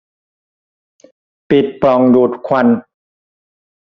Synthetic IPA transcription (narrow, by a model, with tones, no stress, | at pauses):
pi˨˩t̪̚plɔ˨˩ŋduː˨˩t̪̚kʰa˧n